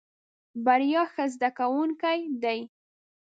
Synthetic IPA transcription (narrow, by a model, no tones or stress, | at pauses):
baɾjɑxəzd̪akawuŋkajd̪aj